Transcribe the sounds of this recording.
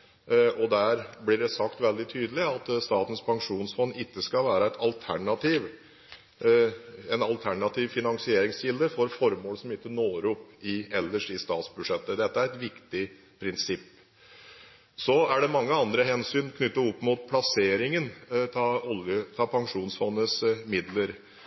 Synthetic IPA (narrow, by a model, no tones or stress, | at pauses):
ɔd̪æɾblɪɖɛsɑkt̪ʋɛld̪ɪt̪ʰyːd̪əlɪɑt̪st̪ɑːt̪ən̩spʰɑŋʂuːnsfɔnːɪt̪ːəskɑlʋæːɾəɛt̪ʰɑlt̪ʰæɳɑt̪ʰiːʋ | ɛnɑlt̪ʰæɳɑt̪ʰiːʋfɪnɑŋsɪeːɾɪŋsçɪld̪əfɔɾfɔɾmoːlsɔmɪt̪ːənoːɾʊpːɪɛlːəʂɪst̪ɑːt̪sbʉʂɛt̪ːəd̪ɛt̪ːəæɾɛt̪ʋɪkt̪ɪ | pʰɾɪnsɪpː | sɔæɖɛmɑŋːəɑnd̪ɾəɦɛnsyːnkʰnʏt̪ːəɔpːmʊt̪̚pʰlɑseːɾɪŋənt̪ʰɑɔljət̪ʰɑːpʰɑŋʂuːnsfɔnːəsmɪd̪ləɾ